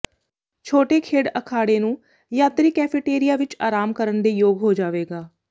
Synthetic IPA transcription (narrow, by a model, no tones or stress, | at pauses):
t͡ʃʰoːʈeːkʰeːɽəkʰaːɽeːnũː | jaːt̪ɾiːkɛːpʰɪʈeːɾɪjaːʋɪt͡ʃaːɾaːmkəɾəɳd̪eːjoːɡɦoːd͡ʒaːʋeːɡaː